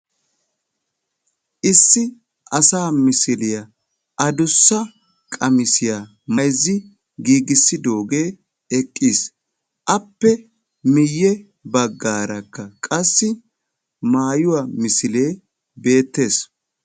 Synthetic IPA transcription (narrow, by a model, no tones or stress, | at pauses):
ʔɪsːɪ | ʔɐsaːmɪsɪlɪjɐ | ʔɐd̪ʊsːɐ | kʼɐmɪsɪja | mɐjzːɪ | ɡiːɡɪsːɪd̪o̞ːɡe̞ː | ɛkʼːiːs | ʔɐpːɛ | mɪjːɛ | bɐɡːaːɾɐkːɐkʼɐsːɪ | maːjʊwamɪsɪle̞ː | be̞ːt̪ːe̞ːs